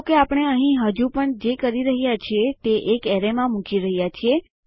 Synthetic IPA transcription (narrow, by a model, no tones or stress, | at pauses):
keapəɳ̃eəɦĩɦəd͡ʒupəɳd͡ʒekəɾiɾəɦijat͡ʃʰiet̪eʔekɛɾemãmũkiɾəɦjat͡ʃʰie